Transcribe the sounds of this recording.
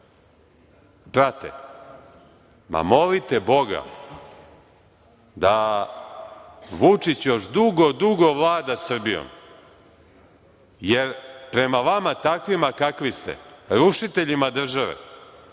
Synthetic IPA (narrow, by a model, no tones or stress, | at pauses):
bɾat̪ḛ | ma̰mo̞lit̪e̞bo̞ɡa̰ | d̪a | ʋut͡ʂit͡ɕjo̞ʃd̪uɡod̪uɡo̞ʋlˠaːd̪asr̩bijo̰m | jeɾpɾe̞maʋamat̪akʋimakakʋist̪ḛɾuʃit̪eʎimad̪r̩ʒaʋḛ